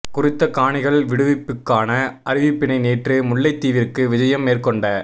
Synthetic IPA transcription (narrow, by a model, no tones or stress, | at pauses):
kʊɾɪt̪ːɐkaːɳɪɣɐɭʋɪɽɯʋɪpːɯkːaːnɐʔɐɾɪʋipːɪɳɐɪneːʈrɯmʊɭːɐɪt̪ːiːʋɪrkɯʋɪd͡ʒɐjɐmːeːrkɔɳɖɐ